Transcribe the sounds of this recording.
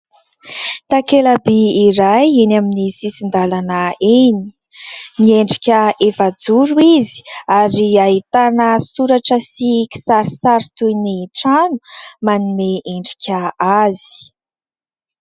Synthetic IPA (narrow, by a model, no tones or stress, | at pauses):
t̪akelabiːɾajenaminisisind̪alanəeni | nieɳɖ͡ʐikʲəefad͡zuɾuizi̥aɾiaɦit̪anəsuɾaʈ͡ʂəsiki̥saɾisaɾit̪ujniʈ͡ʂanu̥manimeʔeɳɖ͡ʐi̥kʲʰəazi̥